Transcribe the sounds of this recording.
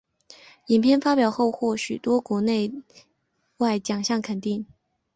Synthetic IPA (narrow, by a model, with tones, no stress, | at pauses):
i˨˩npʰjɛ˥˧nfa˥pjɑ˨˩ʊxo˥˧ʊxwɔ˥˩ɕy˨˩t̪wɔ˥kwɔ˧˥ne˥˧ɪ | wa˥˩ɪt͡ɕjɑ˨˩ŋɕjɑ˥˩ŋkʰə˨˩nt̪i˥˩ŋ